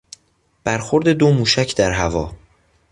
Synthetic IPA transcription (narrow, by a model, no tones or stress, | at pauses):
b̥æɾxo̞ɾd̪e̞d̪omuːʃæcʰd̪æɾɦævɒː